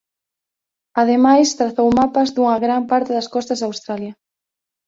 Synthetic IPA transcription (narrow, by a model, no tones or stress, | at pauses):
ɐðemajst̪ɾaθowmapɐzðuŋɐɣɾampaɾt̪ɪðɐskɔst̪ɐzðawst̪ɾaljɐ